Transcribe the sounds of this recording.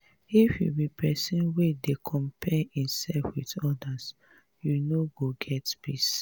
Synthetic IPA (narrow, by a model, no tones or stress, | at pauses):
ifjṵbipʰɛsĩnwedekʰɔ̃mpʰɛĩmsɛlfwiðɔdas | junoɡoɡɛtbis